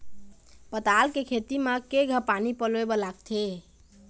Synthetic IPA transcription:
pət̪alkekʰet̪imekeɡʱəpanipəloebɔlaɡt̪ʰe

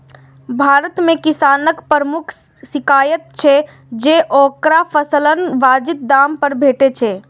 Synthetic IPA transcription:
bʱaɾət̪mekisanəkpəɾəmukʰ | sikajət̪̚t͡ʃʰɛ | d͡ʒeʔokɾapʰəslənʋad͡ʒit̪̚d̪ampəɾbʱeʈet͡ʃʰɛ

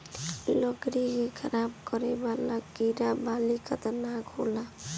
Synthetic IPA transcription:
ləɡɾikekʰəɾab̚kəɾebalakiɾabalikʰət̪nakʰola

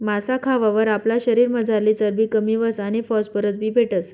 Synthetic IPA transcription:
masakʰaʋaʋəɾaplaɕəɾiːɾməd͡zʱaɾlit͡səɾbʱiːkəmiːʋəsañifɔspəɾət͡sbʱiːbʱeʈəs

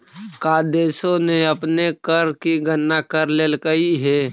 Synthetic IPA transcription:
kaːd̪eːsõneɐpnekəɾkiɡənːakəɾleːlkəiɦɛː

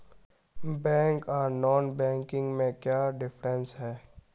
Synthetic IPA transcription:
bɛ̃ːŋkɔːɾnɔːnbɛ̃ːŋkɪ̃ŋɡmẽkjaːɖɪfɾə̃nsɦɛː

